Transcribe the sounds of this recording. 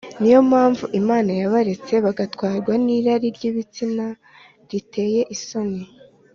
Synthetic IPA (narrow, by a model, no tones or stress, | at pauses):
nijo̞mhaːɱvuʔimaːnajaβaɾe̞t͡se̞βaɡatkwaːɾɡwaniːɾaɾiɾɟiːβit͡sina | ɾite̞ːje̞ʔiso̞ne